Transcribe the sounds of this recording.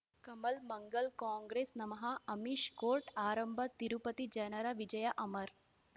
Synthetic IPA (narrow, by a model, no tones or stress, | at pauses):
kɐmɐlmɐŋɡɐlkaːŋɡɾeːsnɐmɐɦɐɐmiʃkoːɾʈaːɾɐmbʱɐt̪iɾupɐt̪id͡ʒɐnɐɾɐʋid͡ʒɐjɐʔɐmɐɾ